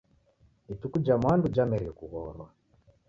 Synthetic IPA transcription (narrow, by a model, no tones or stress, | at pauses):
itukud͡ʒamwandud͡ʒamɛɾiɔkuɣɔːɾwa